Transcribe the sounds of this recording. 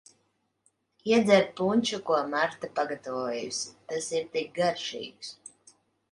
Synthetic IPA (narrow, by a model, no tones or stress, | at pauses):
iɛd̪zɛɾ̚punʲt͡ʃukuɔmaɾt̪apaɡat̪avuɔjṵst̪asiɾt̪ik̚ɡaɾʃḭːɡs